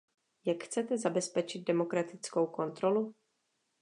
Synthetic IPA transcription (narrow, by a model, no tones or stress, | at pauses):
jakxt͡sɛt̪ɛzabɛspɛt͡ʃɪd̪̚dɛmo̞kɾat̪ɪt͡sko̞wko̞nt̪ɾo̞lu